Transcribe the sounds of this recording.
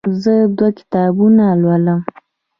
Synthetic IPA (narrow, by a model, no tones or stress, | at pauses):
zəd̪wakɪ̥t̪ɑbunalwaləm